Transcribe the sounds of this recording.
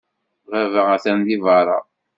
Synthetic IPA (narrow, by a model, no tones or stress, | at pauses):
ʁævææθænðivɑɾˤɑ̰